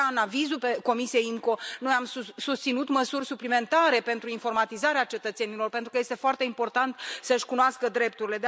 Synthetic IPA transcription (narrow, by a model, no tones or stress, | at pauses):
aɨnavizulpe̞ko̞misije̞jiŋko̞no̞jamsusust̪sinut̪məsurʲsuplime̞nt̪aɾe̞pe̞nt̪ɾuinfo̞rmat̪izaɾeat͡ʃe̞t̪ət̪se̞nilo̞rpe̞nt̪ɾukəje̞st̪e̞foart̪e̞impo̞rt̪ant̪səɨʃʲkunoaskəd̪ɾe̞p̚t̪uɾile̞d̪e